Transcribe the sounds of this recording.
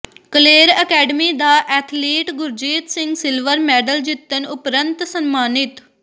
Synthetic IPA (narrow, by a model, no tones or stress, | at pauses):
kəleːɾəkɛːɖəmiːd̪aːʔɛːt̪ʰleːʈɡʊɾd͡ʒeːt̪sɪŋɡsɪlʋəɾmɛːɖəld͡ʒɪt̪ːənʊpɾənt̪sənmaːnɪt̪